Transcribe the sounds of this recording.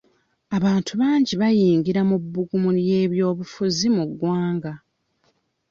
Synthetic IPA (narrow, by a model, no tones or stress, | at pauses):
aβaːntʰuβaːɲɟiβajiːŋɡiɾamubːuɡumuje̞ːβjo̞ːβufuzimuɡwaːŋɡa